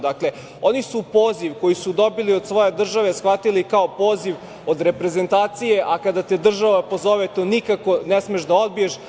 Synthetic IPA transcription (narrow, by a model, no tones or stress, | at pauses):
d̪akle̞ | onisupo̞ːziʋko̞jisud̪o̞biliod̪sʋo̞je̞d̪r̩ʒaʋesxʋat̪ilikaopo̞ːziʋ | od̪ɾe̞pɾe̞ze̞nt̪aːt̪sije̞ʔakad̪at̪ed̪r̩ʒaʋapo̞zo̞ʋet̪onikako̞nesmieʒd̪ao̞d̪̚bijeʃ